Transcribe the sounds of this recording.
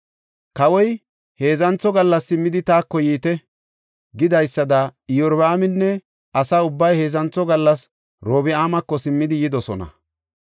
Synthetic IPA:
kɐwɔj | he̞ːzɐnt͡sɔɡɐlːɐsːɪmːɪd̪ɪt̪aːkːɔjiːt̪ɛ | ɡɪd̪ɐjsːɐd̪ɐɪjɔɾbaːmɪnːɛ | ʔɐsaʊbːɐjhe̞ːzɐnt͡sːɔɡɐlːɐs | ɾoːbɪaːmɐkːɔsɪmːɪd̪ɪjɪd̪ɔsɔnɐ̰

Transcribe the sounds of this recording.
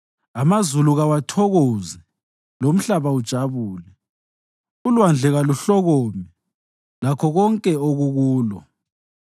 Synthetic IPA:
amazuluɣawatʰɔɣozɛ | lom̩ɬaβaud̥ʒ̥ʱaβuːlɛ | ulwand͡ɮʱɛɣaluɬɔɣɔmɛ | lakʰɔɣɔŋkʼɛoɣuɣuːlɔ̰

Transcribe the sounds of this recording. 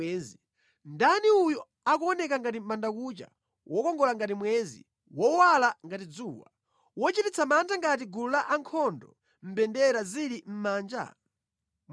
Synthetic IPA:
ɛːzi | ndaniujɔ | akuɔnɛkaŋɡatimandakuːt͡ʃa̰ | wɔkɔŋɡɔlaŋɡatimwɛːzḭ | wɔwalaŋɡatid͡zuːwa̰ | wɔt͡ʃitit͡sʰamantʰaŋɡat̬iɡululaʔaŋkʰɔndɔ | m̩bɛndɛɾaziɾim̩maːnd͡ʒa̰

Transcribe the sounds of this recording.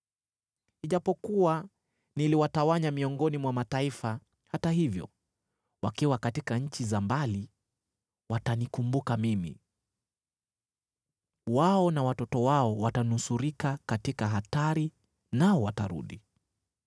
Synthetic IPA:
iʄapɔkuwa | niliwatawaɲamiɔŋɡɔnimwamataifa | hataɦivjɔ̰ | wakiwakatikaɲ̩t͡ʃizambali | watanikumbukamimḭ | waɔnawatɔtɔwaɔwatanusuɾikakatikaɦataɾi | naɔwataɾṵɗi

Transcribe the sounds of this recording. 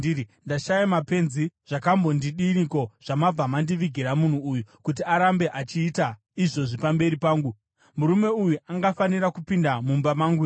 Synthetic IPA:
ndaʃajamape̞nziʐ̥akambo̞ndiɗiniko̞ʐ̥amab͡vamandiʋiɡʱiɾamun̤uːjukut̬iaɾambe̞ʔat͡ʃiːta | iʐo̞ʐipambe̞ɾipaːŋɡu | muɾume̞ujuʔaŋɡafaniɾakupindamumbamaŋɡu

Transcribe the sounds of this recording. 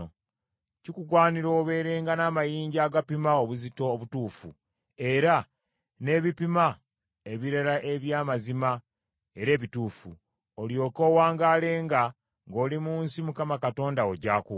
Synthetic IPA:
cikuɡwaːniɾoːβe̞ːɾe̞ːŋɡanaːmajiːɲɟaːɡapimaoβuzito̞ːβutuːfu | e̞ɾa | ne̞βipima | e̞βiɾaɾaʔe̞βjaːmazima | e̞ɾe̞ːβituːfu | oljo̞ːko̞ːwaːŋɡaːle̞ːŋɡa | ŋɡo̞ːlimuːnsimukamakato̞ːndaoɟaːku

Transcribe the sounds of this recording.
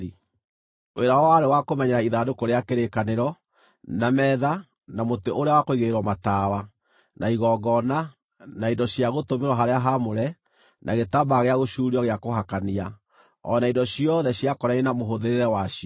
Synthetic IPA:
i | weɾawɔwaɾewakomɛɲɛɾaiðadokoɾeakeɾekaneɾɔ | namɛða | namoteʔoɾeawakoiɣeɾwɔmataːwa | nʔaiɣɔːɡɔna | naidɔɕiaɣotomeɾwɔɦaɾeaɦamoɾɛ | nʔaɣetabaɣeaɣoʃuːɾiɔɣeakohakania | ɔnaidɔɕiɔðɛɕiakɔɾɛɾenamoɦoðeɾeɾɛwaʃi

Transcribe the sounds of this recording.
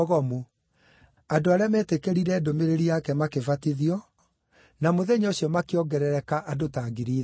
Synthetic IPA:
ɣɔmu | adoaɾeamɛtekeɾiɾɛdomeɾeɾiakɛmakefatiðiɔ | namoðɛɲoɕjɔmakeɔɡɛɾɛɾɛkaʔadotaɡiɾiː

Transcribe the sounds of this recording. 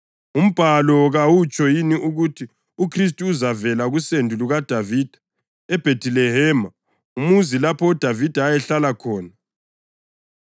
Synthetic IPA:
um̩b̥ʱalɔɣawut͡ʃʼɔjiniʔuɣutʰi | ukʰris̬tʼuːzavɛlaɣusendʱuluɣad̥ʱaviːd̥ʱḁ | ɛb̥ʱetʰʼilɛɦɛːma | umuzilapʰɔːd̥ʱavid̥ʱaːjɛɬalakʰɔːna

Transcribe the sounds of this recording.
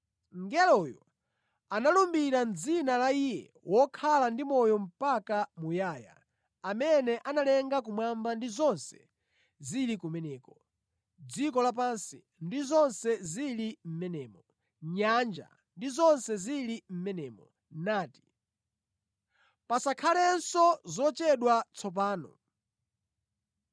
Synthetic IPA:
ŋɡɛlɔjɔ̰ | analumbiɾand͡zinalaijɛ̰ | wʔɔkʰalandimɔjɔm̩pakamujaːja̰ | amɛnɛʔanalɛŋɡak̬umwambandizɔnsɛ̥ | zilikumɛnɛːkɔ | d͡zikɔlap̬ansi | ndizɔnsɛzilim̩mɛnɛːmɔ | ɲand͡ʒa̰ | ndizɔnsɛzilim̩mɛnɛːmɔ | naːti̥ | pasakʰalɛnsɔzɔt͡ʃɛɗwat͡sʰɔp̬aːnɔ̰

